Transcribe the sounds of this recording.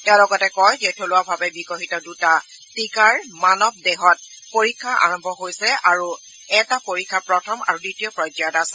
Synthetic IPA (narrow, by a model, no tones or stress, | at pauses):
tɛalɔɡɔtɛkɔjzɛtʰolʊwabʱabɛbikoɦitɔduta | tikaɹmanɔb̚deɦɔt̚ | poɹikʰːaʔa̰ɹɔmbʱɔɦojsɛaɹu | ɛtapoɹikʰːapɹɔtʰɔma̰ɹuditiɔpɹɔjd͡ʒadasɛ